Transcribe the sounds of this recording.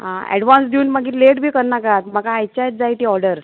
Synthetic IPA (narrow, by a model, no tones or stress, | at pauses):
ɦãɛ̰ɽʋãnsd̪iuːnmaɡiːleʈbʱiːkəɾnakaat̪̚maɡaːjt͡ɕajt̪̚d͡zait̪iːɔɾɖəɾ